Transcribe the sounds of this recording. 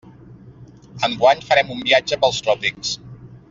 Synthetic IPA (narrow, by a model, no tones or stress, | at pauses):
əŋɡwaɲfəɾɛmumbiad͡ʒəpəlˠst̪ɾɔpiks